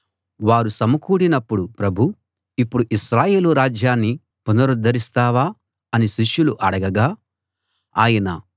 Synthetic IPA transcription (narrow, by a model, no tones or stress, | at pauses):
ʋaːɾusɐmɐkuːɽinɐpːuɽupɾɐbʱu | ipːuɽuʔiʃɾaːje̞ːluɾaːd͡ʒjaːnːi | punɐɾud̪ɐɾist̪aːʋaː | ɐniʃiʂjuluʔɐɽɐɡɐɡaː | aːjɐnɐ